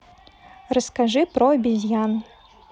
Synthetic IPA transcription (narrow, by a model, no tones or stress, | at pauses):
rɐskaʐɨpɾɔɐbʲizʲjan